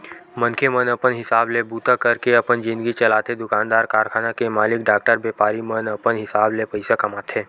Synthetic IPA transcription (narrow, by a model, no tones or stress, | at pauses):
mə̃nkʰemənɐpənɦɪsaːblebuːt̪akɐɾkeɐpənd͡ʒɪ̃nd̪əɡit͡ʃɐlaːt̪ed̪ʊkãːnd̪aːɾkaːɾkʰaːnakemaːlɪkɖaːk̚ʈəɾbeːpaːɾimənɐpənɦɪsaːblepɐɪsakɐmaːt̪ʰẽː